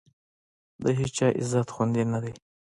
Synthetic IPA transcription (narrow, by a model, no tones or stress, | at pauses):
d̪əɦit͡ʃt͡ʃɑʔɪ̰zat̪xund̪inad̪aj